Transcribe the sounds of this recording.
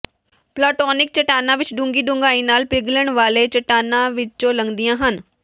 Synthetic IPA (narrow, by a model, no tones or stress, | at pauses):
plaːʈɔːnɪk̚t͡ʃɐʈaːnãʋɪt͡ʃɖʊ̃ŋɡiɗʊ̃ŋɡaːĩnaːlpɪɡləɽ̃ʋaːlet͡ʃɐʈaːnãʋɪt͡ʃt͡ʃolɐ̃ŋɡd̪ijãɦən